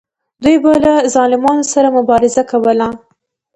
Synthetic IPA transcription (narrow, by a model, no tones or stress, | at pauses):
d̪ujbalazɑlɪmɑnosaɾamʊbɑɾɪzakawəla